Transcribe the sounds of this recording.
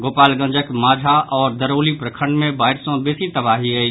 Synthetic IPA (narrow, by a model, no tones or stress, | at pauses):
ɡoːpaːlɡə̃nd͡ʒəkmaːd͡ʒʱaʔɔːɾd̪əɾoːlipɾəkʰə̃ɳɖmẽbaːɪʈsõbesit̪ɐbaːɦiɦɐi